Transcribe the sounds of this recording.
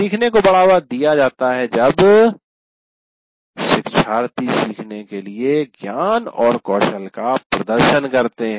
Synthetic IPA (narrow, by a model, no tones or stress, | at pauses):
siːkʰnekobɐɽaːʋad̪ijad͡ʒaːt̪aɦɛd͡ʒɐb | ʃɪkʃaːɾt̪isiːkʰnekelieɡjaːnɔːɾkɔːʃəlkapɾɐd̪əɾʃənkɐɾt̪eɦɛ̃